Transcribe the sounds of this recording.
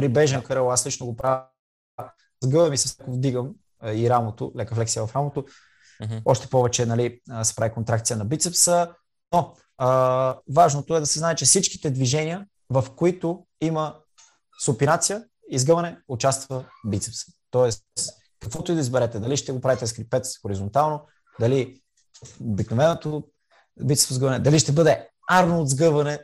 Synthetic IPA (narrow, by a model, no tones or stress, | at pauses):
pɾibɛʒɛnkəɾəlˠaslit͡ʃnoɡopɾav | zɡɤvɐmisɐslɛkovd̪iɡəm | iɾamot̪o̰lɛkɐflɛksijəvɐfɾamot̪o | ɔʃt̪ɛ̥pɔvɛt͡ʃɛnɐlisɛ̥pɾavikont̪ɾakt̪sijənɐbit̪sɛpsə | noː | vaʒnot̪oɛd̪ɐsɛznaɛt͡ʃɛfsit͡ʃki̥t̪ɛd̪viʒɛnʲiə | vɐfkoit̪o | imə | sʊpinat̪sijə | izɡɤvɐnɛʊt͡ʃast̪vəbit̪sɛpsə̥t̪ɔɛs | kɐkvɔt̪ʊid̪ɐizbɛɾɛt̪ɛd̪ɐliʃt̪ɛɡopɾavit̪ɛskɾipɛt̪sxoɾizont̪alˠno | d̪ɐli | obiknovɛnot̪o | bit̪ɛsvozɡəvɐnɛd̪ɐliʃt̪ɛbɤd̪ɛ | aɾnoːd̪zɡɤvɐnɛ